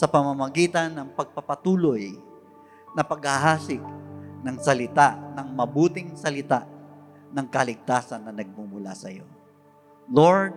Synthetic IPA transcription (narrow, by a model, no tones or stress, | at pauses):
sɐpɐmɐmɐɡiːt̪ɐnːɐŋpɐɡ̚pɐpɐt̪uːloj | nɐpɐɡhaɦaːsɪk̚nɐŋsɐlɪt̪aʔnɐŋmɐbuːt̪ɪŋsɐlɪt̪aʔ | nɐŋkɐlɪɡ̚t̪aːsɐnːɐnɐɡ̚mumʊla̰sɐ̰jo̞̰ | loɹd̪̚